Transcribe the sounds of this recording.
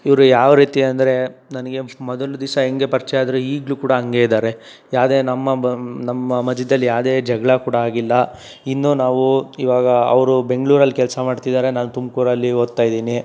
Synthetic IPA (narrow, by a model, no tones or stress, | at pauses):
iʋɐɾujaːʋɾiːt̪iɐnd̪ɐɾe̞nɐnɐɡe̞mɔd̪ɐlud̪isɐeŋɡe̞pɐɾt͡ʃɛjaːd̪ɐɾuiːɡlukuːɽɐɐŋɡeːid̪aːɾe̞ | jaːwd̪e̞ːnɐmːɐnɐmːɐmɐd͡ʒid̪ɐlːijaːʋd̪e̞ːd͡ʒɛɡɭɐkuːɽaaːɡilːɐ | inːunaːʋuiʋaːɡɐɐ̰ʋɾube̞ŋɡɭuːɾɐlːikɛlsɐmaːɽt̪id̪aːɾe̞naːnut̪umkuɾɐlːiɦod̪̚t̪aːjd̪iːni